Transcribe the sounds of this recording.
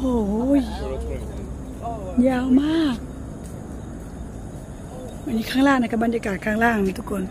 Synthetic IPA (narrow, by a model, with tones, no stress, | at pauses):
o˧˩j | jaː˧˩˨wmaː˥˩k̚ | ʔa˧˨nːiː˧kʰaː˧˥˨laː˥˩˨ŋːa˧˥˨ka˧˩ba˨n˨jaː˧kaː˨˩t̪̚kʰaː˧˥˩ŋlaː˧˥˩ŋna˧˩t̪ʰu˧˥kʰːo˧˩˨n